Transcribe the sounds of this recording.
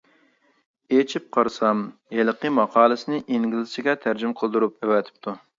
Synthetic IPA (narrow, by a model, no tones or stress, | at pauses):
et͡ʃʰip̚qʰɑɾsɑmjelˠqəmɑqʰɑːlˠɨsɪnɪʔiŋɡʲlɪsɪɡʲɛt̪ʰæɾd͡ʒymqʰəlˠd̪uɾup̚ɛwɛt̪ʰɪ̥p̚t̪ʰu